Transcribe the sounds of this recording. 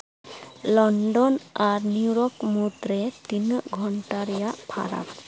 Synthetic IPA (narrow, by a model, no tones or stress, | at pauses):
lɔnɖɔnaɾniɾɔkmut̪ɾet̪inɡʱɔɳʈaɾɛjapʰa̰ɾa̰k